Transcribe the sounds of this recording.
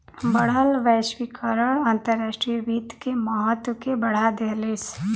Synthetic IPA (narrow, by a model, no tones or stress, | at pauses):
bəɽ̤əlʋɛːʃwikəɾəɽãnt̪əɾːaːʃʈɾijɾiːt̪kemaɦət̪wəkebɐɽ̤ad̪eɦles